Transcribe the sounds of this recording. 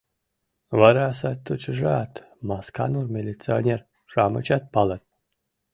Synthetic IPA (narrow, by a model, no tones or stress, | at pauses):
vaɾasat̪ːut͡ʃʐat̪maska̰nurmʲelʲit͡sɨnʲeɾ | ʐ̥amɨ̰t͡ʃat̪̚palˠat̪̚